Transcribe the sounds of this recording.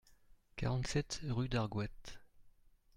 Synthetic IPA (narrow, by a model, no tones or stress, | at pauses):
kaʁɑ̃nt̪sɛt̪ʁyd̪aʁɡwɛt̪